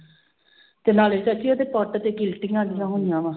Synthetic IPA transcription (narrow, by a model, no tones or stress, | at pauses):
t̪eːnaːleːt͡ʃakioːd̪eːpɔːʈt̪eːkɪlʈɪŋãːɡɪjãːɦõnɪjãːʋãː